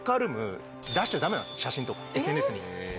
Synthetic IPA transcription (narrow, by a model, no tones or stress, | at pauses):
kaɾɯ̟mɯ̟ | d̪aɕi̥t̪ad̪ame̞nã̰sɕaɕĩnt̪o̞kesenesɨɲi